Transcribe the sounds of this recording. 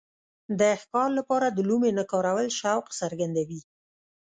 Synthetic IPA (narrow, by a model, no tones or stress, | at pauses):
d̪əxkɑlːapɑɾad̪əlumenakɑɾawəlʃawqsaɾɡand̪awi